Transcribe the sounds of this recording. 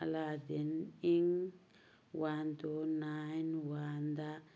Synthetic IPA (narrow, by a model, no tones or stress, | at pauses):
aladiniŋ | want̪onajnwand̪a